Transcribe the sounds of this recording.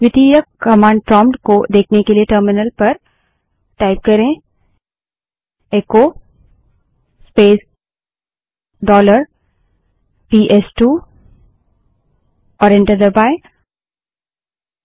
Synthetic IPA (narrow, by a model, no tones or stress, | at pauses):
ʋɪt̪iːjəkkɐmãːɳɖ̚ʈɾɔ̃ːmɖkod̪eːkʰnekelieʈəɾmɪnəlpɐɾ | ʈaːɪp̚kɐɾẽ | eko | speːs | ɖɔːləɾ | piːʔɛsʈuː | ɔːɾɛ̃ɳʈəɾd̪əɾbaːɪ